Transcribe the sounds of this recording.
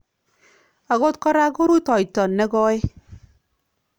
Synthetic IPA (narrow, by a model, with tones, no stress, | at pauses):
a˨ɡo˦t̚kɔ˦ɾa˦ko˦ɾu˦tɔ˨jtɔ˨nːe˦ɡɔ˦e˦